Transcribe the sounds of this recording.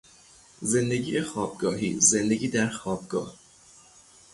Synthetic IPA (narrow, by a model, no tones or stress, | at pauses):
ze̞nd̪e̞ɡiːjexɒːb̚ɡɒːɦḭːzend̪e̞ɡʲiːd̪æɾxɒːb̚ɡɒ̰ːh